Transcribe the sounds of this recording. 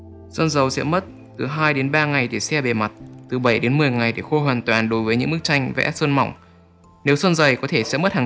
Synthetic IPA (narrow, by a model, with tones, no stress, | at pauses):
sə˧nzə˨˩wsɛ̰˧˥mə˦˥t̚ | t̪ɨ˨˩ɦaː˧jɗe˨˦nɓaː˧ŋa˨˩jt̪ʰi˨˩sɛ˧ɓe˨˩ma˨˩t̚t̪ɨ˨˩ɓə˧˩jɗe˨˦nmɨ˨˩əjŋa˨˩jt̪ʰi˧˨˩xo˧hwaː˨˩nt̪waː˨˩nɗo˨˦jvəː˨˦jɲɨ̰˧˥ŋmɨ˦˥k̚t͡ɕa˧jŋ̟vɛ̰˧˥sə˧nma̰˧˨wŋ͡m | ne˨˦wsə˧nzə˨˩jkɔ˨˦t̪ʰe˧˩sɛ̰˧˥mə˦˥t̚haː˨˩˨